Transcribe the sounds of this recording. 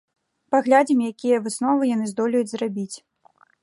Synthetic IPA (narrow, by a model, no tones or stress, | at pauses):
paɣlʲad͡zʲimʲjakʲijɐvɨsnɔvɨjanɨzd̪ɔlʲɐjud͡zʲzrabʲit͡sʲ